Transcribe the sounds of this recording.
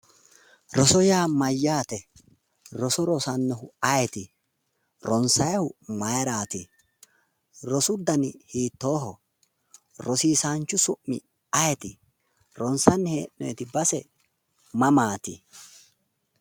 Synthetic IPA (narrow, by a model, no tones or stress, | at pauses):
ɾɔsɔjaːmɐjːaːt̪ɛ | ɾɔsɔɾɔsɐnːɛhʊɐjɛt̪ɪ | ɾɔnsɐjɐhʊmɐjɾaːt̪ɪ | ɾɔsʊd̪ɐnɪhiːt̪ːo̞ːɦɔ | ɾɔsiːsaːnt͡ʃːʊsʊʔːɪ̰ | ɐjɛt̪ɪ | ɾɔnsɐnːɪhḛːnːɔjɛt̪ɪbɐsɛ | mɐmaːt̪ɪ̰